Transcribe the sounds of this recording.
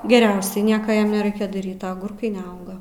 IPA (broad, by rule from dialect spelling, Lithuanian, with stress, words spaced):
ɡʲɛˈrʲɛʊsʲɛɪ ˈnʲiɛkɐ ˈjɛm nʲɛˈrɐɪkʲɛ dɐˈrʲiːt ɐ ɐˈɡʊrkɐɪ nʲɛˈɐʊɡɐ